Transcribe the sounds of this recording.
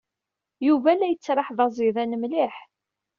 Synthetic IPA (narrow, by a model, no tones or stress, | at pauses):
juvælæjət͡sːɾˤɑħðˤɑzˤiðænəmliħ